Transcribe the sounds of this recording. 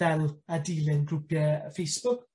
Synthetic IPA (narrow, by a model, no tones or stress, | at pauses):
ɛlˠadiːlˠɪnɡrʊpjɛfejsb̥ʊk